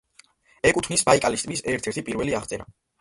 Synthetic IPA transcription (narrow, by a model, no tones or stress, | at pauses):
ɛkʼut̪ʰnisbaikʼalist̪ʼbisɛɾt̪ʰɛɾt̪ʰipʼiɾvɛliaχt̪sʼɛɾa̰